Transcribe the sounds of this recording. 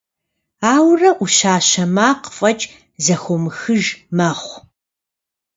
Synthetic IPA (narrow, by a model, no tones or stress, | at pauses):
aːwrɐʔuʃaːɕɐmaːqə̥fʼɐt͡ʃʼ | zɐxʷɔmɨxɨʒmaːχʷ